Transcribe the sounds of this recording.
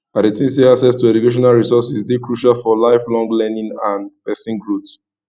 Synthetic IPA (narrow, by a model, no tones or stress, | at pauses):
adetʰĩmseasɛstuɛd͡ʒukeʃ̬ɔnalɹisɔsistekɹuʃalfɔlaɪflɔ̃ŋɡlɛnĩŋãnpɛsĩŋɡɹut